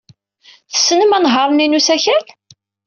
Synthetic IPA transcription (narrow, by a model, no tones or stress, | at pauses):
θə̥sːnəmænɦɑɾˤninusæçæl